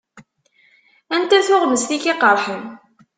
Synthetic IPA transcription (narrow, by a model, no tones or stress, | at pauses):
ænt̪æθʊʁməsθikiqəɾˤħən